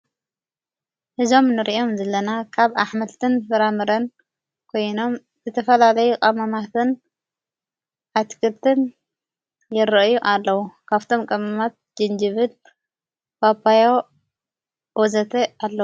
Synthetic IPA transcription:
ʔɨzo̞mnɨɾiʔo̞mzɐlːɐnakʰaβaħmɐlt̪ʰɨnfɨɾamɨɾɐn | kʰo̞jno̞m | zɨt̪ʰɐfɐlalɐjukʼɐmɐmat̪ʰɨn | ʔat̪kʰɨlt̪ʰɨn | jɪɾɐʔjuʔalːɐwukʰaβt̪ʰo̞mkʼɐmamat̪̚d͡ʒɨnd͡ʒɨβɨl | babajo | wɔzɐt̪ʰealːɐwu

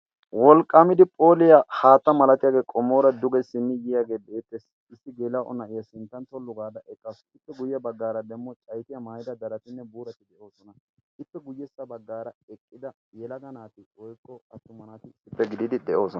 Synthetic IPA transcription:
wɔlkʼːamɪd̪ɪpʼo̞ːlɪjahaːt̪ːɐmɐlɐt̪ɪjaːɡe̞ːkʼɔmːoːɾɐd̪ʊɡɛsːɪnːɪjɪjaːɡe̞ːd̪eːt̪ːɛs | ɪsːɪɡeːlɐʔɔ̰nɐʔɪjɐsɪnt̪ːɐnt̪ɔlːʊɡaːd̪ɐʔɛkʼːɐsɪpːɛɡʊjjɐbɐɡːaːɾɐd̪ɛmːɔt͡ʃʼɐjt̪ɪjɐmaːjɪd̪ɐd̪ɐɾɐt̪ɪnːɛbuːɾɐt̪ɪd̪ɛʔo̞ːsɔnɐ | ʔɪpːɛɡʊjɛsːɐbɐɡːaːɾɐɛkʼːɪd̪ɐ | jɛlɐɡɐnaːt̪ɪɔjkʼːɔɐt̪ːʊmːɐnaːt̪ɪɪsːɪpːɛɡɪd̪ɪd̪ɪd̪ɛʔo̞ːsɔnɐ

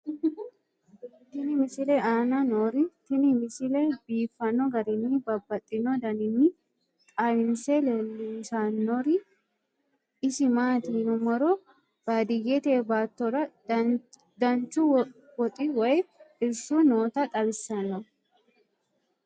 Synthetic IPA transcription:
t̪ɪnɪmɪsɪleaːnɐnoːɾɪt̪ɪnmɪsɪlebiːfːɐnːɔɡɐɾɪnːɪbɐbːɐt̪ʼːɪnɔd̪ɐnɪnːɪ | t̪ʼawɪnselɛlːɪnsaːnːɔɾɪ | ɪsɪmaːt̪iːnʊmɔɾɔ | b̥aːd̪ɪjet̪eːbaːt̪ːɔɾɐ | d̪ɐnt͡ʃu | wɔt̪ʼiwɐjɪɾsuːnoːt̪ɐt̪ʼɐbɪsːɐnːɐ

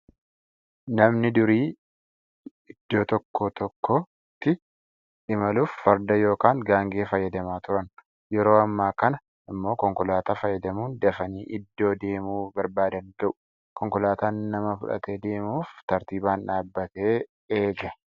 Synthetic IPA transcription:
nɐmnɪd̪ʊɾiː | ɪd̪̥ːo̞ːt̪ɔkːoːt̪ɔkʰːoː | t̪ːɪ | ᶑɪmɐluːfːɐɾd̪ɐjo̞ːkaːŋɡaːŋɡe̞ːfɐjːɐd̪ɐmaːt̪ʊɾɐn | jɛɾo̞ːɐmːaːkɐnɐ | ɪmːo̞ːkɔŋkʊlaːt̪aːfɐjːɐd̪ɐmuːnd̪ɐfɐniːʔɪd̪ːo̞ːd̪e̞ːmuːbɐɾbaːd̪ɐŋɡɐʔʊ̥ | kɔŋkʊlaːt̪aːnːɐmɐfʊ̰ᶑɐ̰t̪e̞ːd̪e̞ːmuːft̪ɐɾt̪iːbaːnᶑaːbːɐt̪e̞ː | eːɡɐ

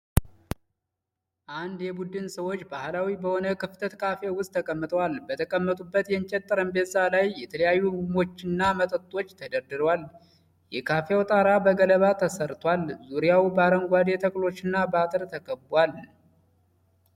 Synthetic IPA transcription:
ʔand̪jɛbud̪ɨnsəwo̞t͡ʃːbahlawibəho̞nəkɨft̪ʰət̪kʰafawʊst̪ʰːəkʼəmːɨt̪ʼəwalbət̪ʰəkʼəmːət̪ʼubːət̪jɛnt͡ʃʼɛt̪ʼːəɾəmbezalajːjɛt̪ʰələjajːumo̞t͡ʃːɪnːamət̪ʼət̪ʼːo̞t͡ʃːt̪ʰəd̪əɾd̪ɨɾwal | jɛkʰafejawt̪ʼaɾabəɡələβat̪ʰəsəɾt̪ʰwalzuɾijawbəaɾəŋɡʷad̪e̞t̪ʰəkʼlo̞t͡ʃːɨnːabat̪ʼɨɾt̪ʰəkʰʼəbbwal

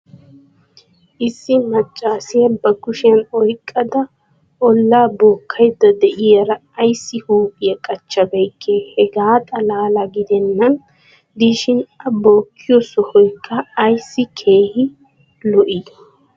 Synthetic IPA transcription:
ʔɪsːɪmɐt͡ʃʼːaːsɪjɐbɐɡʊʃɪjɐnɔjkʼːɐd̪ɐ | ʔɔlːaːbo̞ːkʰːɐjd̪ːɐd̪ɛʔɪjɐɾɐːjsːɪhuːkʼɪjɐkʼɐt͡ʃːɐbɛjkʰːeːhɛɡaːt̪ʼɐlaːlɐɡɪd̪ɛnːɐn | d̪iːʃɪnɐboːkʰːɪjɔsɔhɔjkʰʼːɐːjsːɪkʰe̞ːhɪ | lɔʔɪd̪

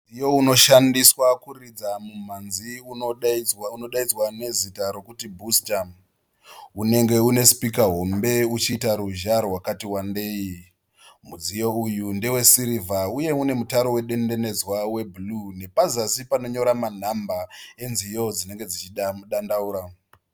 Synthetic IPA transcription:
ijo̞uno̞ʃandiswakurid͡zamum̤anziuouno̞ɗaid͡zwane̞zitaɾo̞kutibʱustam | une̞ŋɡe̞une̞spikaɦo̞mbe̞ut͡ʃitaɾuʒarwakatiwande̞i | mud͡zijo̞ujunde̞we̞siɾivauje̞une̞mutaɾowe̞ɗe̞nde̞ne̞d͡zwawe̞blune̞pazasipano̞ɲo̞ɾaman̤ambae̞nzijo̞d͡zine̞ŋɡe̞d͡zit͡ʃiaɗandauːɾa

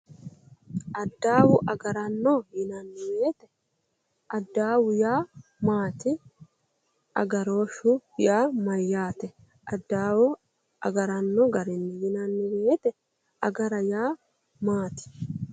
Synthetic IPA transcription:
ʔɐd̪ːaːwʊʔɐɡɐɾɐnːɔjɪnɐnːɪwɪjɛt̪ɛ | ʔɐd̪ːaːwʊjaːmaːt̪ɪ | ʔɐ̰ɡɐɾo̞ːʃʊjaːmɐjːaːt̪ɛ | ɐd̪ːaːwʊ | ɐ̰ɡɐɾɐnːɔɡɐɾɪnːɪjɪnɐnːɪwɪjet̪ɛ | ɐɡɐɾɐjaː | maːt̪ɪ̥

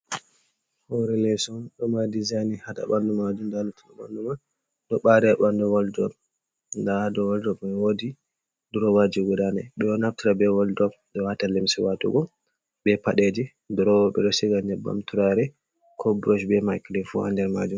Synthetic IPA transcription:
hɔɾɛlɛsɔɗɔmadizajnihata̰ɓandɔmad͡ʒumdalutinaɓa̰ndɔman | ɗɔɓaɾɛaɓandɔwaldɔ | ndadɔwaldɔbmawodi | duɾɔwad͡ʒiɡudanaɗɔɔnaftiɾabɛwɔldɔb | ɗɔwatalimsiwatṵɡɔ | bɛpaɗed͡ʒi | dɔɾɔwɔɓɛ̰ɗɔsiɡaɲɛbːa̰mtuɾaɾɛ | kʰɔbɾoʃbɛmajklifua̰ndɛɾma̰d͡ʒum

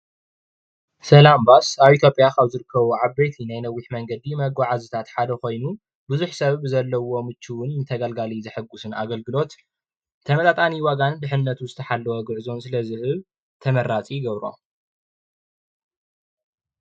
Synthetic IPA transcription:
sɐlambasaβit̪jo̞pʼjakaβzɨɾɨkʰːɐβuʕaβbejt̪ʰinajnɐwːiħmɐŋɡɐd̪imɐɡaʕazɨt̪ʰat̪ħad̪ɐko̞jnu | bɨzuħsɐββzɐlːɐwo̞mɨt͡ʃːiwʊnnɨt̪ʰɐɡɐlɡalizɨħɨɡːusɨna̰ɡɐlɡɨlo̞t̪ | t̪ʰɐmɐt̪ʼat̪ʼaniwaɡand̪ɨħɨnːɐt̪ʰuzɨt̪ʰɐħalːɐwoɡɨʕzonsɨlɐzɨhɨβ | t̪ʰɐmɐɾat͡sʼiɡɐβɾo̞̰

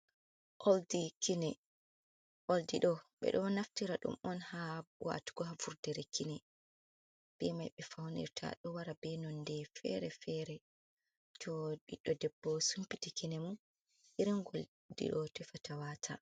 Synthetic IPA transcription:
ʔoldikinɛ | ʔoldiɗɔɓɛ̰ɗɔnaftiɾaɗṵmɔnhawa̰tu̥ɡɔɦavuɾdɛɾɛkʰinɛ | b̥ɛmajɓɛfawnḭɾtʰa̰ɗɔwaɾabɛnɔndɛfɛ̰ɾɛfɛɾɛ | tʰɔɗiɗːɔdɛbːɔsumpitikinɛmun | ʔiɾinɡol | dḭɗɔtɛfatawatʰa

